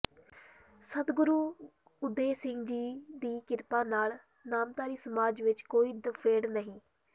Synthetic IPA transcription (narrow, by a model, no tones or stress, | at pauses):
sət̪ɡʊɾuː | ʊd̪ːeːsɪ̃ŋɡd͡ʒiːd̪iːkɪɾpãːnaːl | naːmt̪aːɾiːsəmaːd͡ʒʋɪt͡ʃkoːiːd̪əpʰeːɽnəɦĩː